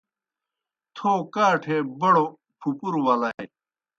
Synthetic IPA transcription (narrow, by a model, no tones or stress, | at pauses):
t̪ʰoːkaːʈʰebɐɽo | pʰupuɾwɐlɐj